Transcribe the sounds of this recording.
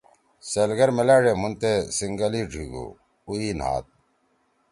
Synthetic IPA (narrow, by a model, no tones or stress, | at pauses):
selɡɐɾmelaːɖemunt̪esiŋɡɐliɖʱiɡṵː | uiːna̰ːt̪̚